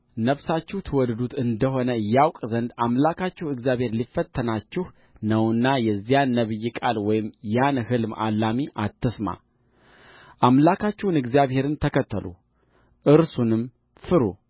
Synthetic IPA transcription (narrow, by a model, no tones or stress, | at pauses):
nəfsat͡ʃːɛht̪ʰɨwɔd̪d̪ut̪ʰɨnd̪əɦo̞nəjawkʼzənd̪amlakʰat͡ʃːɛhwɨɡzijaβhe̞ɾlifːət̪ʰːənat͡ʃːɪh | nəwnːajɛzːijanːəβɨjːɪkʼalwɔjɪmjanhɨlma̰lːamiʔat̪ʰːɨsma̰ | ʔamlakʰat͡ʃːɛwnɨɡzijaβhe̞ɾɨnt̪ʰəkʰət̪ʰːəlʔṵ | ʔɨɾsunɨm | fɨɾu